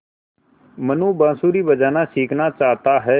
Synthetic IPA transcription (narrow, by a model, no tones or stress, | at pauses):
mənũːbãːsuːɾiːbəd͡ʒaːnaːsiːkʰnaːt͡ʃaːɦt̪aːɦɛː